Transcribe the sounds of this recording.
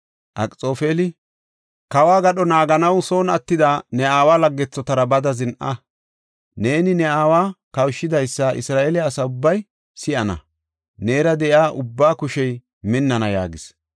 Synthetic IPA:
ʔɐkʼt͡sʼo̞ːfeːlɪ | kɐwaːɡɐɗɔnaːɡɐnɐwso̞ːnɐt̪ːɪd̪anɛaːwaːlɐɡːɛt͡sːɔt̪ɐɾɐbɐd̪ɐzɪnʔɐ | ne̞ːnɪnɛaːwaːkɐwʃːɪd̪ɐjsːɐʔɪ̰sɾaːʔeːlɪːsɐʊbːɐj | sɪʔɐnɐ̰ | neːɾɐd̪ɛʔjaːʔʊbːaːkʊʃɛj | mɪnːɐnɐja̰ːɡɪs

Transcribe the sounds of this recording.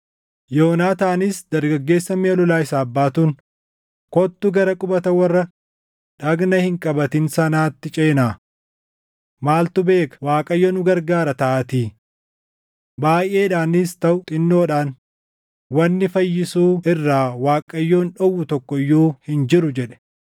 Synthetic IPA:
joːnaːt̪ɐːnɪsd̪ɐɾɡɐɡːe̞ːsːɐmeːlɔlaːɪsaːɐbːaːt̪uːn | kɔt̪ːʊɡɐɾɐkʼʊbɐt̪ɐwɐrːɐ | ᶑɐɡnɐhɪŋkʼɐbɐt̪ɪnsɐnaːt̪ːɪt͡ʃʼe̞ːnaː | maːlt̪ʊbe̞ːkɐ̥waːkʼɐjːoːnʊɡɐɾɡaːɾɐt̪ɐʔɐt̪iː | baːjʔe̞ːᶑaːnɪst̪ɐʔʊt̪ʼɪnːo̞ːᶑaːn | wɐnːɪfɐjːɪsuːɪrːaːwaːkʼɐjːoːnᶑɔwːʊt̪ɔkːɔjːuːhɪnd͡ʒɪɾʊd͡ʒɛᶑɛ̥

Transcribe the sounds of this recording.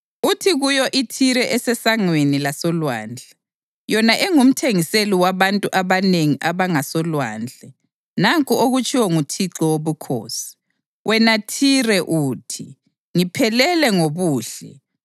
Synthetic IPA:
utʰiɣujɔʔitʰiɾɛʔɛsɛsaŋwenilasɔlwaːnd͡ɮʱɛ | jɔnaʔeŋum̩tʰeŋiseliwaβantʼuʔaβaneŋiʔaβaŋasɔlwaːnd͡ɮʱɛ | naŋkʼuoɣut͡ʃʼiwɔŋutʰiǁɔwoβukʰo̰ːsi̥ | wʔɛnatʰirɛʔuːtʰi | ŋipʰɛlɛlɛŋoβuːɬɛ̰

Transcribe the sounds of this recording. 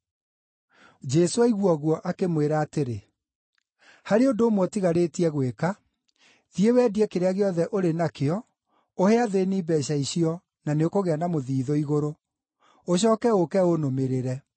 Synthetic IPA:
d͡ʒɛsoaiɣwɔɣwɔʔakemweɾaːteɾe | haɾeodoːmwɔtiɣaɾetiɛɣweka | ðiewɛdiɛkeɾeaɣeɔðɛʔoɾenakeɔ | ohɛaðeniːbɛɕaiɕiɔ | naneokoɣeanamoðiːðɔiɣoɾo | oɕ̬ɔːkɛokɛonomeɾeɾɛ

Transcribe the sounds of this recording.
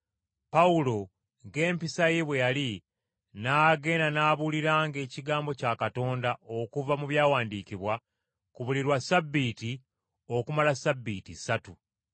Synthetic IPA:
paulo̞ | ŋɡe̞ːmpisajeβwe̞jali | naːɡe̞ːnanaːβuliɾaːŋɡe̞ːciɡaːmbo̞caːkato̞ːndao̞kuvamuβjaːwaːndiːciβwa | kuβuliɾwasabːiːti | o̞kumalasabːiːtisatu

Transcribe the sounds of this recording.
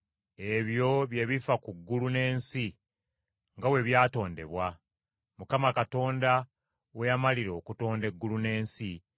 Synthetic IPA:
e̞βjo̞βje̞βifakuɡːulune̞ːnsi | ŋɡawe̞βjaːto̞ːnde̞̰βwa | mukamakato̞ːnda | wejamaliɾo̞ːkuto̞ːnde̞ɡːulune̞ːnsi

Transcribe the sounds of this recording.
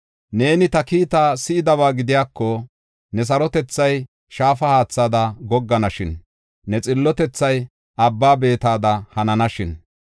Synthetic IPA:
ne̞ːnɪt̪ɐkiːt̪aːsɪʔɪd̪ɐbaːɡɪd̪ɪjaːkːɔ | nɛs̬ɐɾɔt̪ɛt͡sːɐj | ʃaːfɐhaːt͡sːaːd̪ɐɡɔɡːɐnɐʃɪnː | ɛt͡sʼɪlːɔt̪ɛt͡sːɐj | ʔɐbːaːbe̞ːt̪aːd̪ɐhɐnɐnɐʃɪn

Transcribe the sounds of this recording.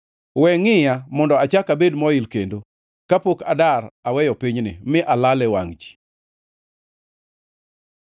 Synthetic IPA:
wɛŋɪjamɔndɔat͡ʃakabedmɔɪlkendo | kapoka̰darawɛjɔpiɲnɪ̰mɪʔalalɛwaŋd͡ʒi̥

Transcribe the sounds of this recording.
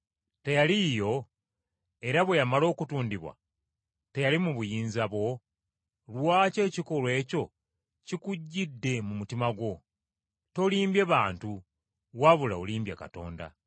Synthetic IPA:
te̞jalijo̞ | e̞ɾaβwe̞jamalo̞ːkutuːndiβwa̰ | te̞jalimuβujiːnzaβwo̞ | lwaːce̞ːciko̞lwe̞ːco̞ | cikuɟːidːe̞mumutimaɡwo̞ | to̞liːmbjeβaːntu | waβulaoliːmbjaka̰to̞̰ːnda̰

